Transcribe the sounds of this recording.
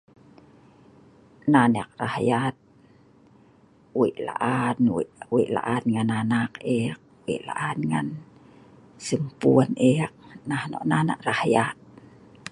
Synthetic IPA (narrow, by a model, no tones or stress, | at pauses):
nanak̚rahjat̪̚ | wiʔla̰ʔanwʔwiʔla̰ʔanŋananakik̚wḭʔla̰ʔanŋan | səmpuənʔik̚nahno̰ʔnana̰ʔrahjat̪̚